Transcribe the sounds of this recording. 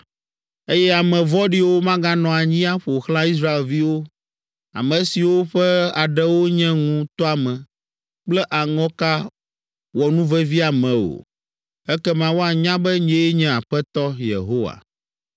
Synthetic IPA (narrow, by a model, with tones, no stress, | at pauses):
e˦jɛ˦a˨mɛ̃˨vɔ˦ɖi˦wo˦mã˦ɡa˦nɔ̃˨a˨ɲĩ˦a˦ɸo˨xlã˦i˦s̬ɾa˦e˨lvi˦wo˦ | a̰˨mɛ̃˨si˨wo˦ɸɛ˦a˨ɖɛ˦wo˦ɲɛ̃˦ŋũ˦t̪ɔ˦a˨mɛ̃˨ | k͡plɛ˦ʔa˨ŋɔ̃˦ka˦ | wɔ˨nũ˦vɛ˦vi˦a˨mɛ̃˨o̰˨ | ɛ˦kɛ˦mã˨wo˦a˨ɲã˦bɛ˦ɲɛ̃˦e˦ɲɛ̃˦a˨ɸɛ˦t̪ɔ˦jḛ˨ɦo˦wa̰˨